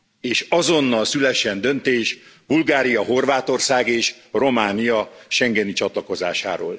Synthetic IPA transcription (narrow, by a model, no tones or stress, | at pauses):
eːʃɒzo̞nːɒlsylɛʃɛnd̪ø̞nt̪eːʃ | bulɡaːɾijɒɦo̞rvaːt̪o̞rsaːɡeːʃro̞maːnijɒʃɛŋɡɛnit͡ʃɒt̪lɒko̞za̰ːʃa̰ːɾo̰ːl